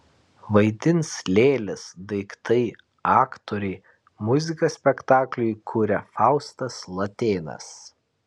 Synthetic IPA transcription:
ʋɐɪd̪ʲɪnslʲeːlʲɪsd̪ɐɪkt̪ɐɪ | ɑːkt̪oɾʲɛɪ | mʊzʲɪkɐsʲpʲɛkt̪ɑːklʲʊjkʰuːɾʲɛfɑˑʊst̪ɐslˠɐt̪ʲeːnɐ̰s

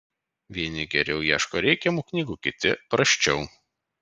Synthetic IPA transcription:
ʋʲiɛnʲɪɡʲɛɾʲɛʊjiɛʃkoːɾʲɛɪkʲɛmuːknʲiːɡuːkʲɪt̪ʲɪpɾɐʃʲt͡ʃʲɛʊ

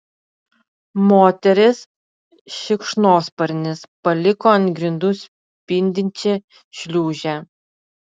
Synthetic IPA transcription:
moːt̪ʲɛɾʲɪs | ʃʲɪkʃnoːspɐɾʲnʲɪspɐlʲɪkoɐnʲt̪ʲɡɾʲɪnd̪ʊsʲ | pʲɪnʲd̪ʲɪnʲt͡ʃʲɪ | ʃʲlʲuːʒʲæ

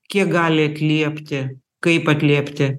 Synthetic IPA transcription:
kʲiɛk̚ɡɑːlʲɪɐt̪ʲlʲiɛpʲt̪ʲɪ | kɐɪpɐt̪ʲlʲiɛpʲt̪ʲɪ

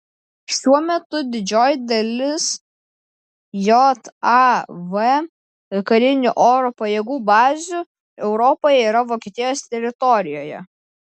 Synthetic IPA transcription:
ʃʲuɔmʲɛt̪ʊd̪ʲɪd͡ʒʲoːjɪd̪ɐlʲɪs | jɔt̪ɑʋɛ | ɪkɐlʲɪnʲʊʔoːɾoːpɐjeːɡuːbɑːzʲʊ | ɛʊɾɔpoːjɛiːɾɐʋoːkʲiet̪ʲiɛjoːst̪ʲɛɾʲɪt̪ɔɾʲɪjoːjɛ̰

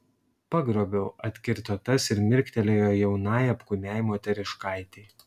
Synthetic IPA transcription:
pɐɡɾoːbʲɛʊɐt̪ʲkʲɪɾt̪ot̪ɐsɪɾmʲɪɾʲkʲt̪ʲɛlʲejoːjɛʊnɑːjɐpkʊnʲæːɪmoːt̪ʲɛɾʲɪʃkɑˑɪt̪ʲeː

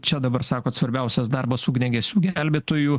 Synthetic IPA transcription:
t͡ʃʲɛd̪ɐbɐɾsɑːkoːt̪sʋɐɾʲbʲɛʊsʲɛsd̪ɑrbɐsuːɡnʲɛɡʲɛsʲuːɡʲɛlʲbʲeːt̪oju

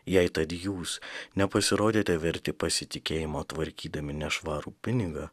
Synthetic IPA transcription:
jɛɪt̪ɐt̪juːsnʲɛpɐsʲɪɾoːd̪ʲeːt̪ʲɛʋʲɛɾʲt̪ʲɪpɐsʲɪt̪ʲɪkʲeːjɪmoːt̪ʋɐɾʲkʲiːd̪ɐmʲɪnʲɛʃʋɑːɾuːpʲɪnʲɪɡɐː

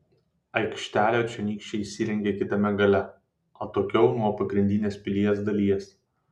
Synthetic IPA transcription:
ɐɪkʃʲt̪ʲæːlʲoːt͡ʃʲɛnʲiːkʃʲt͡ʃʲɛisʲiɾʲɛŋʲɡʲeːkʲɪt̪ɐmʲɛɡɐlʲɛ | oːt̪oːkʲɛʊnuɔpɐɡɾʲɪnʲd̪ʲɪnʲeːspʲɪlʲiɛsd̪ɐlʲiɛs

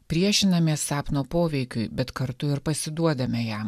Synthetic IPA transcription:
pʲɾʲiɛʃʲɪnɐmʲiɛsːɑːpnoːpoːʋʲɛɪkʲʊɪbʲɛt̪kɐɾt̪ʊɪɾpɐsʲɪd̪uɔd̪ɐmʲɛjæːm

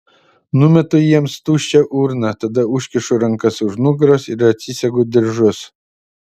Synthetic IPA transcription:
nʊmʲɛt̪ʊjiɛmst̪uːʃʲt͡ʃʲɛʔuːɾnɐt̪ɐd̪ɐuʃʲkʲɪʃʊɾɐŋkɐsʊʃnuɡɾosɪɾɐt̪ʲsʲisʲɛɡod̪ʲɪɾʒʊs

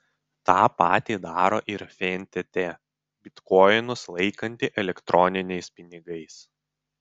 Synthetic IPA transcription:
t̪ɑːpɑːt̪ʲiːd̪ɑːɾoːʔɪɾfʲɛnʲt̪ʲɛt̪ʲɛ | bʲɪt̪kɔjnʊslˠɐɪkɐnʲt̪ʲɪʔɛlʲɛkt̪ɾʔɔnʲɪnʲɛɪspʲɪnʲɪɡɐɪs

